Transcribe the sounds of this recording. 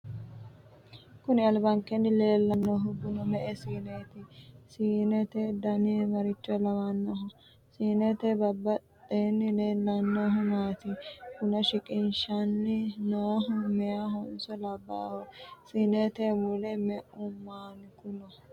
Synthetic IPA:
kʊnɪɐlbɐŋkɛnːɪle̞ːlːɐnːɔɦʊɡʊnɔmɛʔɛsiːneːt̪ɪsiːnɛt̪ed̪ɐnimɐɾɪt͡ʃːɔlɐwɐnːɔɦʊ | siːnɛt̪ɛbɐbːɐt̪ːeːnːɪleːlːɐnːoːɦʊmaːt̪ɪkʊnɐʃɪkʼɪnʃɐnːɪnoːɦʊmɛjaɦɔnsɔlɐbːa̰ːhɔsiːneːt̪eːbulɛmɛʔʊmːaːnɪkʊnɔ

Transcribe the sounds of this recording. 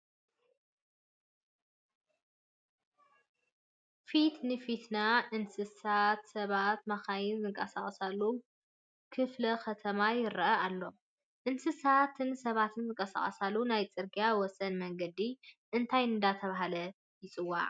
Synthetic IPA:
fit̪nɨfit̪naʔɨnsɨsat̪sɐβat̪maxajɪnzɨŋkʼɐsaχʼsalːu | kʰɨflɐkʰɐt̪ʰɐmajɪɾɐʔɐalːo̞ | ʔɨnsɨsat̪ʰɨnsɐβat̪ʰɨnzɨŋkʼɐsa̰χʼɐsalːunajt͡sʼɨɾɡijawɔsɐnmɐŋɡɐd̪iʔɨnt̪ʰajnɨnd̪at̪ʰɐβaɦalɐ | jɪt͡sʼɨwːa̰ʕ

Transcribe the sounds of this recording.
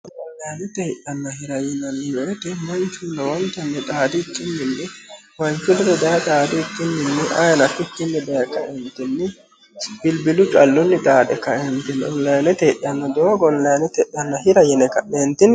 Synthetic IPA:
ɔlːɐjɐnɛt̪ɛɪʔɐnːɐhɪɾɐjɪnɐnːɪjɔt̪ɛmɐnt͡ʃuːnɐwɔnkɐnːɛt̪ʼaːd̪ɪːkːɪnːɪnːɪ | wɐnt͡ʃʊnɛd̪ɛd̪ɐjɐt̪ʼaːd̪ɪːkːɪnːɪnːɪʔɐjɐnɐkːʊkːɪnːɛd̪ɐjɐkɐ̰ʔɛnt̪ɪnːɪ | b̥ɪlbɪlʊt͡ʃʼɐlːʊnːɪt̪ʼaːd̪ɛkɐʔɛnt̪ɪnɔllɐjnɛt̪ɛʔːɐnːɔd̪oːɡɔnlɐjɐnɛt̪ɛʔːɐnːɐhɪɾɐjɛnɛkɐʔeːnt̪ɪn

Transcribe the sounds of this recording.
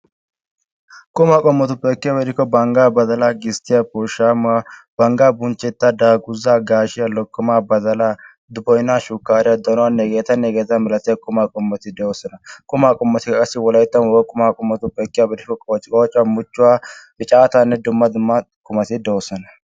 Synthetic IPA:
kʼʊmakʼɔmːɔt̪ʊpʼːɛkːɪjaːbɛd̪ɪkːɔbɐŋɡabɐd̪ɐlaɡɪst̪ɪjapɔʃamab̥ɐŋɡabʊnt͡ʃːɛt̪ːad̪aːɡʊzaːɡaːʃɪjɐlɔkːʊmabɐzɐla | d̪ʊbɔjnːaʃʊkːaːɾɪjɐd̪ɐnʊwanːɛɡeːt̪ɐnːɛɡeːt̪ːɐmɪlɐt̪ɪjɐkʼʊmakʼɔmːɔt̪ɪd̪ɔwsɐnɐkʼʊmakʼɔmːɔt̪ɪkkɐsɪwɔlɐjɪt̪ːɐnwɔkʼʊmaːkʼɔmːɔt̪ʊpʼɛkːɪjabɛd̪ɪkːɔt͡ʃʼkʼɔt͡ʃʼwamʊt͡ʃːʊwa | ɪt͡ʃʼaːt̪anːɛd̪ʊmːɐd̪ʊmkʼʊmɐt̪ɪd̪ɐɔsɐnɐ

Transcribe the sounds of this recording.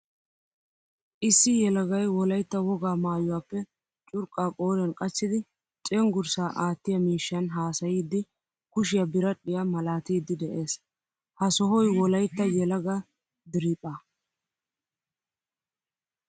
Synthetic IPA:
ʔɪsːɪjɛlɐɡɐjwɔlɐjt̪ːɐwɔɡaːmaːjʊwaːpːɛ | t͡ʃʼʊɾkʼːaːkʼoːɾɛnkʼɐt͡ʃːɪd̪ɪ | t͡ʃʼɛŋɡʊɾsaːʔaːt̪ːɪjɐmiːʃːɐnɦaːsɐjiːd̪ːɪ | kʊʃɪjɐbɪɾɐɗɪjamɐlaːt̪iːd̪ːɪd̪ɛʔe̞ːs | hɐsɔɦɔjwɔlɐjt̪ːɐjɛlɐɡɐ | d̪ɪɾiːpʼːaː

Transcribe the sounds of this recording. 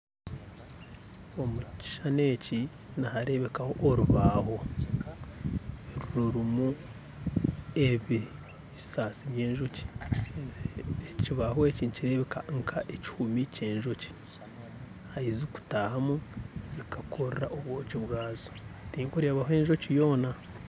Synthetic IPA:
omuci̥ʃaneːci | nahaɾe̞βe̞kaho̞ʔːɾuβaːho̞ | ɾuɾuɾumu | eβi | i̥saːsiβjeːɲʒo̞ci̥ | ciβaɦoeciniciɾe̞βekaŋkʰaʔeci̥humiceːɲʒo̞ci̥ | hajizuku̥tahamuzikakʰoɾraʔoβwoːciβɡaːzotiːŋkoɾeβahoe̞ːɲʒo̞cijo̞ːna

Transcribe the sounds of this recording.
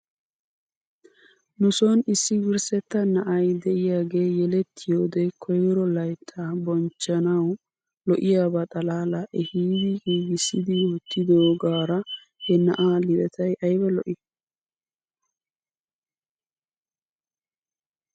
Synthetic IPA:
nʊsonɪsːɪwɪɾsɛt̪ːɐnɐʔɐjd̪ɛʔɪjaːɡe̞ːjɛlɛt̪ʰːɪjoːd̪ɛkʰɔjɾɔlɐjt̪ʰːabɔnt͡ʃːɐnɐw | lɔʔɪjaːbɐt̪ʼɐlaːlɐʔɛhiːd̪ɪɡiːɡɪsːɪd̪ɪjoːt̪ːɪd̪oːɡaːɾɐ | hɛnɐʔaːlɪbɛt̪ɐjʔɐjbɛlɔʔɪ

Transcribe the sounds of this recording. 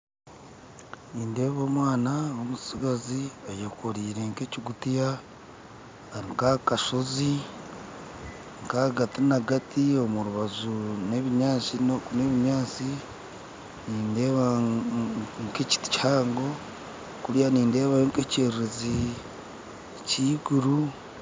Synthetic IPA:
niːnde̞ːβo̞ːmwaːnaomusiɡaziajekukoɾiːɾe̞ŋke̞ːciɡutija | aɾiŋkakaʃo̞zi | ŋkaɡatinaɡatio̞muɾuβazuneβiɲaːt͡ʃinokneβiɲaːt͡si | niːnde̞ːβa | ŋkeci̥ti̥chaːŋɡo̞ | kuɾijaniːnde̞ːβaeŋkeceːɾɾezi | ciːɡuɾu

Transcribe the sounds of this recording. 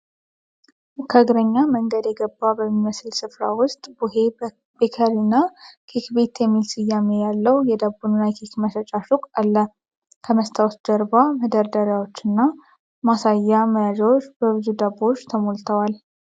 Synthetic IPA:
kʰəɡɾəɲːaməŋɡəd̪jɛɡəbːabəmːiməslsɨfɾa̰wʊst̪ʼbue | bekʰəɾinːakʰekbe̞t̪jɛmːilsɨjːamejalːəwjɛd̪abunnajkʰikməʃət͡ʃʼaʃukʼalːə | kʰəməst̪ʰawsd̪əɾbaməd̪əɾd̪əɾjawo̞t͡ʃːɨnːa | masajːaməjad͡ʒwot͡ʃːbəβɨzud̪abːo̞t͡ʃːt̪ʰəmolt̪ʰəwal

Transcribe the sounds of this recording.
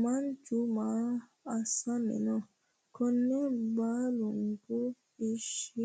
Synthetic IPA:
mant͡ʃuma | asãnḛ̃nɔ̃ | kɔnːebaluŋɡo | eʃi

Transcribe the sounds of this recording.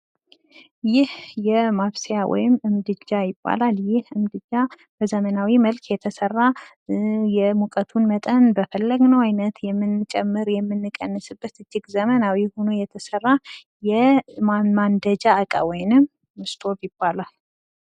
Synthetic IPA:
jɪhjɛmaβsejawɔ̰jɪmɨmd̪ɨd͡ʒːajɪbːa̰laljɪhɨmd̪ɨd͡ʒːa | b̥əzəmənawiməlkʰjɛt̪ʰəsərːa | jɛmukʼət̪ʰunmət̪ʼənbəfəlːəɡnəwajnət̪jɛmːɨnːt͡ʃʼɛmːɨɾjɛmːɨnːɨkʼːənːɨsɨbːət̪ɨd͡ʒːɪɡzəmənawihono̞jɛt̪ʰəsərːa | jɛmmand̪əd͡ʒaːkʼa̰wɔjnɨmː | ɨst̪ʰo̞bjɪbːalal

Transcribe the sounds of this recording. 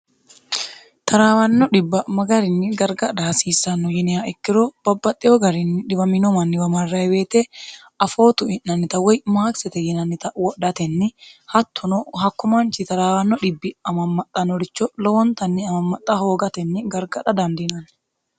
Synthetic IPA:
t̪ʰɐɾaːwɐnːɔᶑɪbːɐmɐɡɐɾɪnːɪɡɐɾɡɐd̪ɐhɐsiːsɐnːɔjɪnɪjaɛkːɪɾɔb̥ɐbːɐt̪ʼːɪjɔɡɐɾɪnːɪᶑɪbɐmɪnɔmɐnːɪwɐmɐrːɐɛweːt̪ɛ | ɐfo̞ːt̪ʊɪnːɐnːɪt̪ɐwɔjmaːksɛt̪ɛjɪnɐnːɪt̪ɐwɔɗɐt̪ɛnːɪhɐt̪ʰːɔnɔhɐkːʊmant͡ʃɪt̪ɐɾaːwɐnːɔᶑɪbːɪɐmɐmːɐt̪ʼːɐnɔɾɪt͡ʃːɔlɔwɔnt̪ɐnːɪɐmɐmːɐt̪ʼːɐho̞ːɡɐt̪ɛnːɪɡɐɾɡɐᶑ̪ɐd̪ɐnd̪ɪnɐn

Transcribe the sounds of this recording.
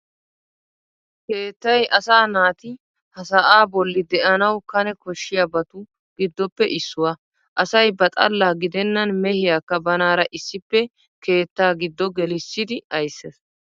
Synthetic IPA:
keːt̪ːɐjʔɐsaːnaːt̪ɪ | hɐsɐʔaːbɔlːɪd̪ɛʔɐnɐwkɐnɛkɔʃːɪjabɐt̪ʊ | ɡ̥ɪd̪ːɔpːɛʔɪsːʊwɐ | ʔɐsɐjbɐt̪ʼɐ̰lːaːɡɪd̪ɛnːɐnmɛhɪjakːɐbɐnaːɾɐʔɪsːɪpːɛ | ke̞ːt̪ːaːɡɪd̪ːɔɡɛlɪsːɪd̪ɪɐjsːɛs

